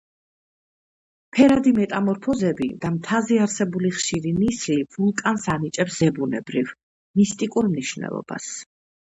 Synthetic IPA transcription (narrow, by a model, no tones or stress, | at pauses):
pʰɛɾad̪imɛt̪ʼamɔɾpʰɔzɛbḭd̪̥amt̪ʰaziaɾsɛbuliχʃiɾinisliv̥ulˠkʼansanit͡ʃʼɛpszɛbunɛ̰bɾiv | mist̪ʼikʼuɾmniʃvnɛ̰lˠɔ̰b̥a̰s